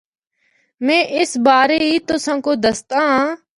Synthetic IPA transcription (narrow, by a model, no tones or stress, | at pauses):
mɛ̃ːʔɪsbaːɾeːiːt̪osãːkoːd̪əst̪ãːɦː